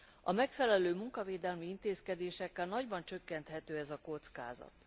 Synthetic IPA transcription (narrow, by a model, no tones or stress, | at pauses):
ɒmɛkfɛlɛløːmuŋkɒveːd̪ɛlmiint̪eːskɛd̪eːʃɛkːɛlnɒɟbɒnt͡ʃø̞kːɛnt̪ɦɛt̪øːɛzɒko̞t̪ska̰ːzɒ̰t̪